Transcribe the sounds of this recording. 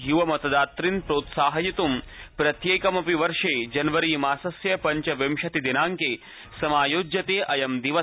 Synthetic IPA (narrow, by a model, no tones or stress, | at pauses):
ɦjuʋɐmɐt̪ɐd̪aːt̪ɾinpɾoːt̪saːɦɐjit̪um | pɾɐt̪jeːkɐmɐpiʋɐɾʂeːd͡ʒɐnʋɐɾiːmaːsɐsjɐpɐɲt͡ʃɐʋɐmʃɐt̪id̪inaːŋkeː | sɐmaːjoːd͡ʒjɐt̪eːʔɐjɐmd̪iʋɐ